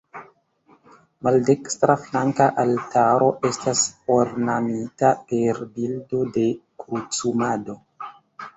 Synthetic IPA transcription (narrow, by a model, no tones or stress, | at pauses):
malde̞kstɾaflaŋkaʔaltaɾo̞ʔe̞stasoɾnamitape̞ɾbildo̞de̞kɾut͡sumado̞